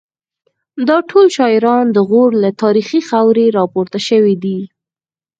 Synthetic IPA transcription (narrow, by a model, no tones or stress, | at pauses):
d̪ɑʈʰolʃɑɪɾɑnd̪əɣoɽlat̪ɑɾixixawɾeɾɑpoɾt̪aʃəwid̪i